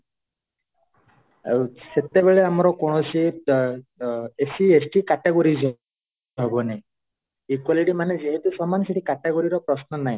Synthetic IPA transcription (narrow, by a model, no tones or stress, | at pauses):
set̪ebeɭeamɔɾɔkoɽ̃ɔsi | esiesʈikaʈeɡoɾizɔ | ɦɔbɔnej̃ | ikwaliʈimanezeɦet̪usɔmanɔseʈʰikaʈeɡoɾiɾɔpɾɔsnɔnaj̃